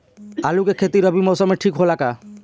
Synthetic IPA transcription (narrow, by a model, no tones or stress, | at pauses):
alukekʰet̪iɾɔbimɔsɔmeʈʰikɦolaka